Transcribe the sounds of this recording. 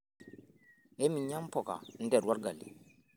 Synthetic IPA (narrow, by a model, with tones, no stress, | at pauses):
ɛ˦mi˨ɲɲa˦mpɔ˨ka̰˨n̩˦dɛ˨dwa˦ɾɡa˨lḭ˨